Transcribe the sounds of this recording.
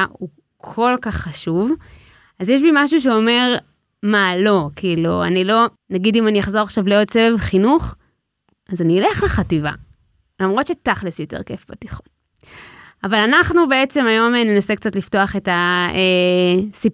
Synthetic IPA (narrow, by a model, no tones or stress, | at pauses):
u | kʰo̞lkaχːaʃuv | azjeʃ̬bimaʃ̬uʃ̬eo̞me̞ʁ | malo̞kʰiilṵa̰nilo̞ | naɡidimanijaχzo̞ʁaχʃavleodt͡sevevχinuχ | ʔazaniile̞χleχativa̰ | lamʁo̞tt͡ʃʃetaχlisjo̞te̞̰ʁke̞̰fbatiχon | avalanaχnube̞et͡se̞majo̞menenase̞k̚t͡satlifto̞aχe̞taesi